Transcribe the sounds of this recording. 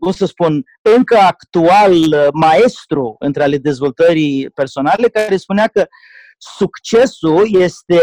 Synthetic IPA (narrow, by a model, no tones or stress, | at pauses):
bunsəspun | ɨŋkəakt̪ualmae̞st̪ɾuɨ̰nt̪ɾeale̞d̪e̞zvo̞lt̪əɾipe̞rso̞nale̞kaɾe̞spuneakə | sukt͡ʃe̞sulje̞st̪e̞